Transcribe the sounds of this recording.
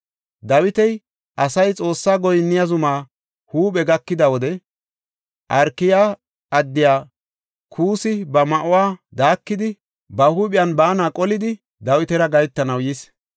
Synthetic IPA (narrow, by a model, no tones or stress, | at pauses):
d̪ɐwɪt̪ɛj | ʔɐsɐjt͡sʼo̞ːsːaːɡɔjnːɪjazʊmaː | huːɓʼɛɡɐkːɪd̪ɐwɔd̪ɛ | ʔɐɾkːɪjaː | ʔɐd̪ːɪjaː | kʰuːsɪbɐmɐʔʊwaːd̪aːkːɪd̪ɪ | bɐhuːpʼɪjɐnbaːnaːkʼɔlɪd̪ɪ | d̪ɐwɪt̪ɛɾɐɡɐjt̪ːɐnɐwjis